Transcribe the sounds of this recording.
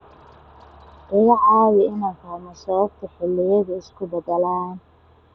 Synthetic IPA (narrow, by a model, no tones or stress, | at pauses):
dɐɣɑʕɑːwɪɪnaŋkʰamɐsɔβɐb̚t̪ʰɐħɪlːɪjɐðɐɪskʰʊbɐðɐlaːn